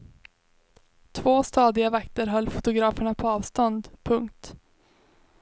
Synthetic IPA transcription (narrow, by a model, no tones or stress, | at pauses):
t̪ʰvoːst̪ɑːd̪ɪavakt̪əɾɦœlːfʊt̪ʊɡɾɑːfəɳapʰɔɑːvst̪ɔnd̪pʰɵŋkt̪